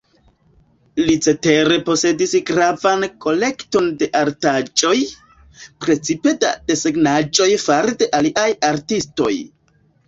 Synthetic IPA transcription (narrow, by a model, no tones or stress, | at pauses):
lit͡se̞te̞ɾe̞po̞se̞disɡɾavanko̞le̞kto̞nde̞ʔaɾtad͡ʒo̞j | pɾe̞t͡sipe̞da̰de̞seɡnad͡ʒo̞jfaɾdeʔaliʔajaɾtisto̞̰j